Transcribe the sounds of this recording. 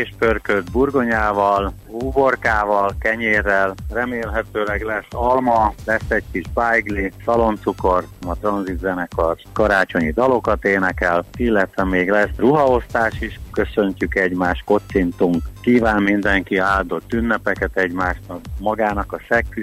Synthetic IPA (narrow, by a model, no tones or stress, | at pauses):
eːʃpørkød̪burɡo̞ɲaːvɒl | uːborkaːvɒlkɛɲeːrːɛlrɛmeːlɦɛt̪øːlɛɡlɛsːɒlmɒlɛsːɛɟkiʒbajɡlisɒlo̞nt̪suko̞rt̪mɒt̪rɒnzit̪zɛnɛkɒrskɒɾaːt͡ʃo̞ɲid̪ɒlo̞kɒt̪eːnɛkɛlilːɛt̪ʋɛmeːɡlɛsruɦɒo̞st̪aːʃiʃkø̞sø̞ɲcykɛɟmaːʃko̞t̪sint̪uŋkkiːvaːnmind̪ɛŋkiaːld̪o̞t̪ːynːɛpɛkɛt̪ɛɟmaːʃnɒkmɒɡaːnɒkɒsɛkːy